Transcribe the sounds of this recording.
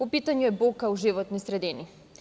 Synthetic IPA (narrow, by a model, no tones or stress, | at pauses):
pɔpit̪aɲɛɛbokːauʒivɔt̪nisɾɛd̪ini